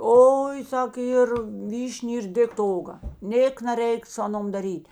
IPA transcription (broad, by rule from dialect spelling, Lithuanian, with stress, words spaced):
ˈoːɪ ˈsɐk ˈiːr ˈʋʲiːʃʲnʲ ɪr ˈdʲeːkt toː ˈoːɡɐ ˈnʲeːk nɐˈrʲɛɪk sʊ ˈɑːˌnoːm dɐˈrʲiːtʲ